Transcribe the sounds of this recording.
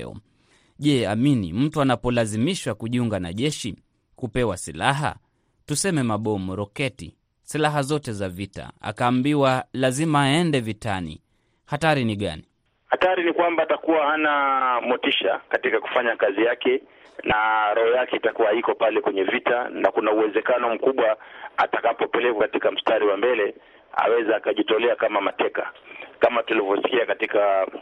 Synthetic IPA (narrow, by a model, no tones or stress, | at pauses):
ɔ̰ | ʄɛaminḭm̩tuanapɔlazimiʃwakuʄiuŋɡana̰ʄɛʃi | kupɛwasilaɦa̰ | tusɛmɛmaɓɔmɔɾɔkɛtḭ | silaɦazɔtɛzavita̰a̰kaːmbiwalazimaːɛndɛvitanḭ | hataɾiniɠa̰ni | hataɾinikwambaːtakuwahanamɔtiʃakatikaku̥faɲakazijakɛ | naɾɔhɔjakɛitakuwaikɔpalɛkwɛɲɛvitanakunauwɛzɛkanɔm̩kuɓwaatakapɔpɛlɛkwakatikam̩staɾiwambɛlɛ | a̰wɛzaakaʄitɔlɛakamamatɛka̰kamatulivɔsi̥kiakatika